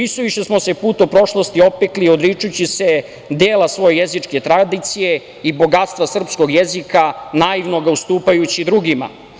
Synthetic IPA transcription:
isuʋiʃesmo̞se̞puːt̪opɾo̞ʃlˠo̞st̪io̞pekliod̪ɾit͡ʂut͡ɕise̞ | d̪eːlasʋo̞jejezit͡ʂke̞t̪ɾad̪it̪sije̞ | ibo̞ɡat̪st̪ʋasr̩psko̞ɡjezikanaiʋnoɡaust̪uːpajut͡ɕid̪ɾuɡima̰

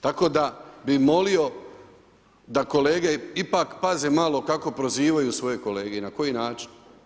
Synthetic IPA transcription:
t̪ako̞ːd̪abimo̞lio̞ | d̪ako̞le̞ːɡe̞ipakpaze̞malo̞kako̞pɾo̞ziːʋajusʋo̞je̞ko̞le̞ːɡeinako̞jinaːt͡ʃi̥n

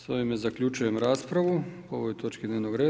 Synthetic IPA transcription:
soʋimezakʎʲut͡ʃujemɾaːspɾaʋu | o̞ʋojt̪o̞t͡ʃkid̪neʋnoɡɾe̞ː

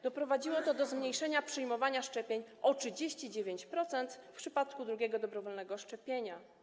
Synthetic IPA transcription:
d̪ɔpɾɔvad͡ʑiwɔt̪ɔd̪ɔzmɲejʂɛɲapʂɨjmɔvaɲaʂt͡ʂɛpʲjeɲ | ɔtʂɘd͡ʑeɕt͡ɕid͡ʑevʲjeɲt͡ɕpɾɔt̪sɛnt̪fpʂɘpat̪kud̪ɾuɡʲɛɡɔd̪ɔbɾɔvɔlnɛɡɔʂt͡ʂɛpʲjeɲa

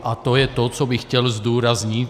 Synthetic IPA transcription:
ʔat̪ɔjɛt̪ɔt͡sɔbixcɛlzd̪uːɾazɲit̪

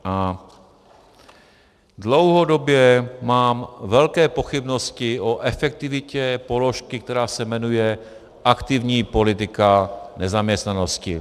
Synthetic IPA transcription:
ʔa | dlowɦo̞do̞bjɛmaːmvɛlkɛːpo̞xɪbno̞scɪʔoʔɛfɛk̚t̪ɪvɪcɛpo̞lo̞ʃkɪk̚t̪ɛɾaːsɛmɛnujɛ | ʔakt̪ɪvɲiːpo̞lɪt̪ɪkanɛzamɲɛst̪nano̞scɪ̰

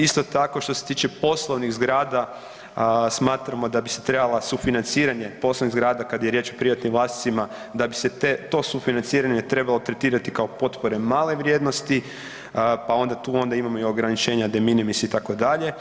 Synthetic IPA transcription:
ist̪o̞t̪ako̞ʃt̪o̞set̪iːt͡ʃe̞po̞slˠoʋniɣzɡɾaːd̪a | smaːt̪ɾamo̞d̪abise̞̥t̪ɾe̞balˠasufinant̪siːɾaɲe̞po̞sloʋniɣzɡɾaːd̪akad̪aje̞ɾje̞t͡ʃo̞pɾiʋat̪nimʋlˠaːst̪i̥t̪sima | d̪abiset̪et̪o̞ːsufinant̪siːɾaɲe̞t̪ɾe̞balˠo̞t̪ɾe̞t̪iːɾat̪ikaopo̞t̪po̞ɾe̞maːle̞ʋɾʲje̞d̪no̞st̪i | pao̞nd̪at̪uːo̞nd̪aimamo̞io̞ɡɾanit͡ʃe̞ːɲad̪e̞minimisit̪ako̞d̪aʎe̞

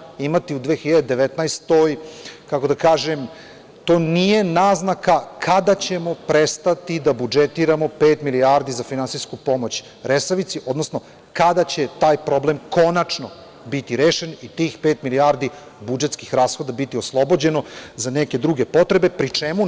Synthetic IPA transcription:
imat̪iud̪ʋeːxiʎad̪ed̪e̞ʋet̪najst̪ojkako̞d̪akaːʒem | t̪o̞ːnije̞naːznakakʰad̪at͡ɕe̞mo̞pɾest̪at̪id̪abud͡ʒet̪iɾamo̞peːt̪miliaɾd̪izafinansijskupo̞mo̞t͡ɕ | ɾesaʋit̪siʔo̞d̪nosno̞ | kad̪at͡ɕe̞t̪aːjpɾo̞ble̞mko̞nat͡ʂno | bit̪iɾeːʃenit̪iːxpeːt̪miliaɾd̪i | bud͡ʒe̞t̪skixɾaːsxo̞d̪abit̪ioslˠo̞bo̞d͡ʑe̞no̞zaneke̞d̪ɾuɡe̞po̞t̪ɾe̞be̞pɾit͡ʂemu

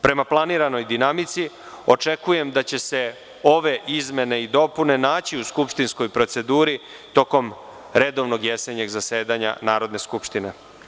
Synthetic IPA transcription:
pɾe̞maplˠaniːɾano̞jd̪inamit̪si | o̞t͡ʂe̞kuje̞md̪at͡ɕe̞se̞ | o̞ʋe̞ʔizme̞ne̞id̪o̞pune̞naːt͡ɕiuskupʃt̪insko̞jpɾot̪se̞d̪uːɾi | t̪o̞ko̞m | ɾe̞d̪o̞ʋno̞ɡjeseɲe̞ɡzaseːd̪aɲa̰naːɾo̞d̪ne̞skupʃt̪ine̞̰

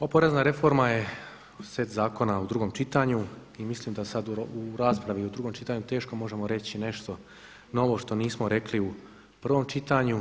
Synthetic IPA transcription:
opoɾe̞znaɾe̞fo̞ɾmaje̞ | sʋet̪zaːko̞naud̪ɾuːɡoːmt͡ʃit̪aɲuimisliːmd̪asad̪uɾaːspɾaʋiud̪ɾuːɡo̞mt͡ʃit̪aɲut̪e̞ːʃko̞mo̞ʒe̞mo̞ɾe̞t͡ɕine̞ʃt̪o̞ | no̞ʋo̞ʃt̪o̞niːsmo̞ɾekliu | pr̩ʋo̞mt͡ʃit̪aɲu

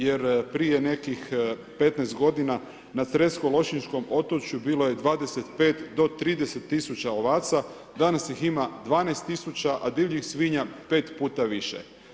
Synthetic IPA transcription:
jeɾpɾijene̞kix | pe̞t̪najst̪ɡo̞d̪ina | nat̪sɾe̞t̪skolˠo̞ʃinʃko̞mo̞t̪ot͡ɕjubiːloje̞d̪ʋaːd̪eset̪pe̞ːt̪d̪o̞t̪ɾiːd̪e̞set̪ːisut͡ɕaoʋaːt̪sa | d̪anasjiximad̪ʋaːnajst̪isut͡ɕaʔad̪iʋʎixsʋiːɲape̞ːt̪puːt̪aʋiʃḛ

